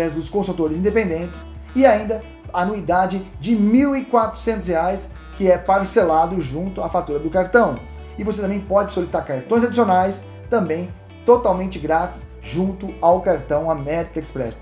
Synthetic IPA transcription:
ɛzd̪ʊskõsut̪oɾɪzĩd̪epẽnd̪ẽt͡ʃɪ̥s | ɪaĩnd̪ɐ | anuid̪ad͡ʒɪd͡ʒɪmiwɪkwat̪ɾʊ̥sẽnt̪ʊsheajs | kɪɛpaɾselad̪ʊʒũnt̪ʊafat̪uɾɐd̪ʊkaɾt̪ɐ̃w̃ | ɪvoset̪ɐ̃mbẽj̃pɔd͡ʒɪsolɪsi̥t̪aɾkaɾt̪õj̃zad͡ʒisionajs | t̪ɐ̃mbẽj̃ | t̪ot̪awmẽnt͡ʃɪɡɾat͡ʃɪ̥s | ʒũnt̪ʊawkaɾt̪ɐ̃w̃ɐmɛɾt̪ɐekspɾɛs

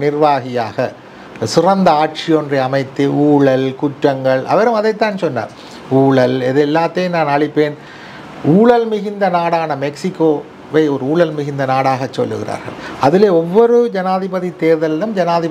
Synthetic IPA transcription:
nɪrʋaːɣɪjaːɣɐ | sɪrɐnd̪ɐaːʈ̚t͡ʃɪɔndrɐɐmɐɪt̪ːɯuːɭɐlkʊʈrɐŋɡɐɭɐ̰ʋɐɾɯmɐðɐɪt̪ːaːnsɔnːa̰ː | uːɭɐlɛðɛlːaːt̪ːejnaːnɐɭɪpːeːn | uːɭɐlmɪɣɪnd̪ɐnaːɽaːnɐmɛksɪkːoː | ʋɐɪɔɾɯuːɭɐlmɪɣɪnd̪ɐnaːɽaːɣɐt͡ʃːɔ̰lːɯ̰ɣɪra̰ːɾɣɐ̰ɭɐðɪleːɔʋːɔɾɯd͡ʒɐnaːðɪbɐðit̪eːɾðɐllɯmd͡ʒɐnaːðɪ

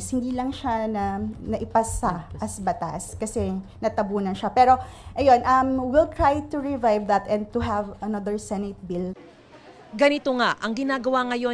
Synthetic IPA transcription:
shɪnd̪iːlɐŋʃanɐnɐʔɪpɐsaʔɐsbɐt̪a̰skɐsɛnɐt̪ɐbuːnɐnʃapɛːɾo̞ʔɐjo̞nʔɐmwɪlt̪ɹajt̪uɹɪvajvðɐt̪ɛ̃nd̪̚t̪uɦɐvɐnɐðəɹsɛnɪt̪̚bil | ɡɐnɪt̪oŋaʔɐŋɡɪnaːɡɐwaŋɐjo

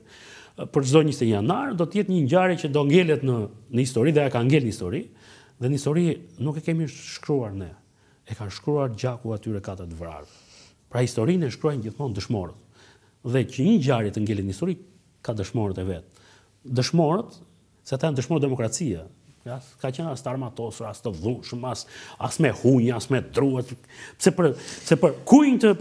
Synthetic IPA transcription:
pəɾəzɔɲist̪ɛɲjanaɾd̪ɔt̪əjɛt̪ɲəɲɟaɾjicəd̪ɔŋɡɛlɛt̪nənəist̪ɔɾiðɛakaŋɡɛlnəist̪ɔɾi | ðɛnəist̪ɔɾinukɛkɛmiʃkɾuaɾnɛ | ɛkanʃkɾuaɾɟakuat̪yɾɛkat̪əɾt̪əvɾa̰ɾɛ | pɾahist̪ɔɾinɛʃkɾɔjnɟiθmɔnd̪əʃmɔɾət̪ | ðɛcəɲəɟaɾjɛt̪əŋɡɛlinist̪ɔɾi | kad̪əʃmɔɾət̪ɛvɛt̪̚ | d̪əʃmɔɾət̪ | sɛat̪ajand̪əʃmɔɾd̪ɛmɔkɾat͡sia | askat͡ʃənast̪əaɾmat̪ɔsəɾast̪əðuʃəmasasmɛhuɲasmɛd̪ɾuas | sɛpəɾsɛpəɾkujnt̪ə

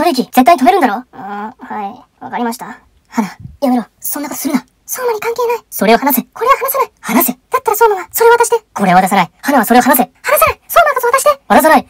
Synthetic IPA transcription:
soɾeik̬ʲiz̥et̪ːaiɲit̪ome̞ɾɯ̟nd̪aɾo̞ːhai | βa̰kaɾʲimaɕi̥t̪a | hanajaβeɾo | so̞nːakot̪o̥sɨɾɯ̟nd̪a | soːmaɲ̟ikãŋke̞ːnaiso̞ɾe̞o̞hanaseko̞ɾe̞βahanasanaihanased̪at̪ːaɾasoːnanasoɾe̞βat̪aɕid̪eko̞ɾe̞βat̪as̬anaihanaβasoɾe̞ohanas̬ehanasanaisoːnakot̪at̪aɕid̪eβat̪as̬anai

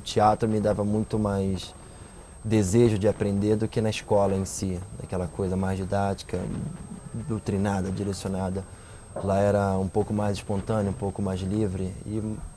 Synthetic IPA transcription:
ʊt͡ʃiat̪ɾʊmɪd̪avɐmũj̃t̪ʊmajs | d̪ezeʒʊd͡ʒɪapɾẽnd̪eɾd̪ʊkɪnɐɪʃkɔlɐẽsid̪a̰kɛlɐkojzɐmajzd͡ʒid̪at͡ʃi̥kɐ̰ | d̪owt̪ɾinad̪ɐd͡ʒiɾesjonad̪ɐ | laɛɾɐũpowkʊmajzɪʃpõnt̪ɐ̃nɐũpowkʊmajzlivɾɪɪ

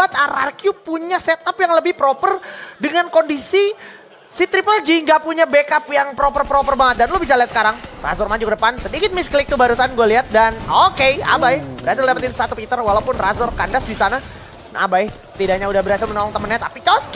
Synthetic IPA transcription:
at̪̚aɾa̰rkjupuɲaset̪apjaŋləbɪhpɾopərdəŋankondisi | sit̪ɾipəld͡ʒiŋɡapuɲabekapjaŋpɾopərpɾopərbaŋət̪̚danlobis̬aliat̪sə̥kaɾaŋra̰zɔrmad͡ʒukədəpansədikɪt̪̚mɪsklɪk̚t̪ubaɾusanɡualiɦat̪̚danokea̰bajbəɾasɪldapət̪ɪnsat̪upit̪ərwalaupʊnrazɔrkandasdisana | n̰a̰baɪsə̥t̪idaɲaudahbəɾɦasɪlmənoɔŋt̪əmənɲat̪apit͡ʃɔs

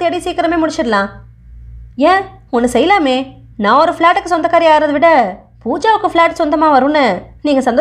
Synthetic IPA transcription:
eɽiseːkɪɾɐmeːmʊɽɪt͡ʃːɪɾɯlãː | ẽː | ɔnːɯsɛjːɐlaːmeː | nãːɔɾɯfɪɭaːʈːɯkːɯsɔnd̪ɐkːaːɾiaːɾɐðɯʋɪɽɐ | puːd͡ʒaːʋɯkːɯfɭaːʈːsɔnd̪ɐmaːʋɐɾũːnːɯniːŋɡɐsɐnd̪

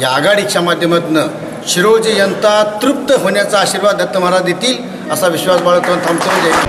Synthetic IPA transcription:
jaɡaɽit͡ɕʰamad̪ʱjəmət̪nə | ɕiɾod͡zəjənt̪at̪ɾup̚t̪əɦoɳjat͡saːɕiɾʋad̪ʱət̪ːəm̤aɾad̪et̪iːl | əsaʋiɕʋasʋaɭət̪ʰːnt̪ʰamt͡səɾəd͡ʑa

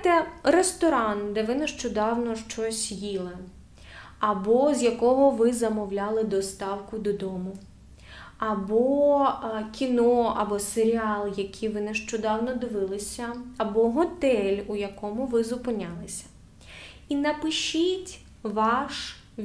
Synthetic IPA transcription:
t̪ɛrest̪ɔɾɑnd̪ɛʋɪneʃt͡ʃɔd̪ɑwnɔʃt͡ʃɔsʲjilˠɐ | ɐbɔzʲjɐkɔɦɔʋɪzɐmɔwlʲɑlˠɪd̪ɔst̪ɑwkʊd̪ɔd̪ɔmʊ | ɐbɔ | kʲinɔɐbɔseɾʲiɑlˠjɐkʲʰiʋɪneʃt͡ʃɔd̪ɑwnɔd̪ɪʋɪlˠɪsʲɐːbɔɦɔt̪ɛlʲujɐkɔmʊʋɪzʊpɪnʲalˠɪsʲɐ̥ | inɐpɪʃitʲ | ʋɑʃ

